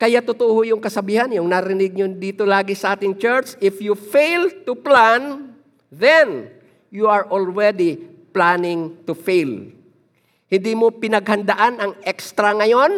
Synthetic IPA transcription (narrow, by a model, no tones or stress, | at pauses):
kɐjat̪ʊt̪oʔohojʊŋkɐsɐbiːhanjʊŋnɐɾɪnɪɡ̚ɲod̪iːt̪olaːɡɪsɐʔaːt̪ɪŋt͡ʃɛɹt͡ʃʔɪfjufejlt̪ʊplan | ðɛn | juʔɐɹʔolɹɛd̪i | planɪŋt̪ʊfejl | hɪnd̪imopɪnɐɡ̚hɐnd̪ɐʔanɐŋʔɛkst̪ɾɐŋɐjo̞n